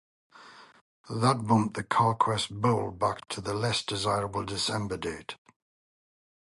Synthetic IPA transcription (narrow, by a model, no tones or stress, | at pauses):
ðət̚b̥ʌ̃m̚ðəkʰɑːˑkʰw̥ɛsboʊlˠbak̚tʰəðəlɛsd̥ɪzaɪɹəbəlˠdɪsɛ̃mbədeɪt